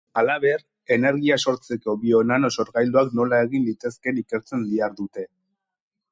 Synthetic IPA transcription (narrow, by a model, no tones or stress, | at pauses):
alaβe̞ɾ | e̞ne̞ɾɣiaso̞ɾt͡se̞ko̞βio̞nano̞so̞ɾɣajld̪oakno̞lae̞ɣinlit̪e̞ske̞nike̞ɾt͡se̞nd̪iaɾðut̪e̞